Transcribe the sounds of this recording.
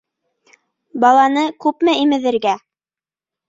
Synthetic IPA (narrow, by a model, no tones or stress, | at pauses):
bɑlˠɑnɤkʉpmɘimɘ̆ðɘ̆ɾɡæ